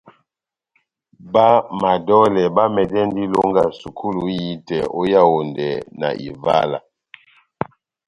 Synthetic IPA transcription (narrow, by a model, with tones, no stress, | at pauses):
ba˦ma˨dɔ˦lɛ˨ba˦mɛ˨dɛ˦n˦di˦lo˦ŋɡa˨su˨kʰu˦lu˨ji˦tɛ˨o˦ja˦˨wo˨ndɛ˨na̰˨ʔḭ˨va̰˦la̰˨